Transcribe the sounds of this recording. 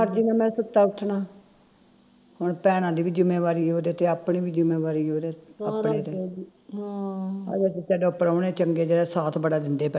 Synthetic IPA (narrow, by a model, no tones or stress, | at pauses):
əɾd͡ʒiːnaːmɛ̃ːsət̪aːʊʈʰːnaː | hʊɳpɛːɽ̃ãːd̪iːbiːd͡ʒʊmeːʋaːɾiːɦoːd̪eːt̪eːaːpɳeːbiːd͡ʒʊmeːʋaːɾiːɦoːd̪eːəpɽeːt̪eː | a̰ːd͡ʒaːt̪et͡ʃɛːɖõːpəɾaːneːt͡ʃəŋɡeːd͡ʒeːɽɛːsaːt̪ʰbəɽaːd̪ɪnd̪eːpɛ